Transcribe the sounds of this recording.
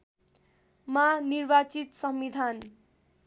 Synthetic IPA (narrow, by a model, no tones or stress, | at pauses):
manirbat͡sit̪sʌmbid̪ʱan